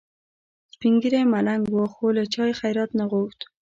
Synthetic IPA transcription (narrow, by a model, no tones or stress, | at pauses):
spiŋɡiɾemalaŋɡwoxolət͡ʃɑjxajɾɑt̪naɣoxt̪